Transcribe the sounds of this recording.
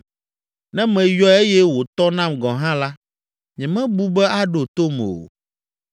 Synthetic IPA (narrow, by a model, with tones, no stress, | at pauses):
nɛ̃˦mɛ̃˨jɔ˦e˦jɛ˦wo˨t̪ɔ˦nã˦mɡɔ̃˨ɦã˦la˦ | ɲɛ̃˨mɛ̃˦bu˦bɛ˦a˦ɖo˨t̪o˦mo̰˨